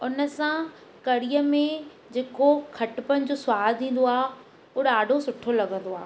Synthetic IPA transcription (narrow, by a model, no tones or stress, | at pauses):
ʊnə̆sã | kɐɽijəmẽ | d͡ʑeːkokʰɐʈpənɪ̆d͡ʑoːsʊwaːd̪d̪ĩːn̆d̪oaː | ʊːɗaːɖʱosʊʈʰolɐɡə̃nd̪oaːɦ